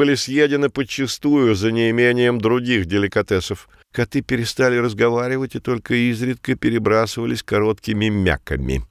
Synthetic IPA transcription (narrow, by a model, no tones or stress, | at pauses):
ɨlʲɪsʲjedʲɪnɨpət͡ɕːɪst̪ujʊzənʲɪɪmʲenʲɪjəmd̪ɾʊɡʲixdʲɪlʲɪkɐt̪ɛsəf | kɐt̪ɨpʲɪɾʲɪst̪alʲɪɾəzɡɐvaɾʲɪvətʲɪt̪o̞lʲkəizɾʲɪt̪̚kəpʲɪɾʲɪbɾasɨvəlʲɪsʲkɐɾo̞t̪kʲɪmʲɪmʲa̰kə̰mʲɪ̰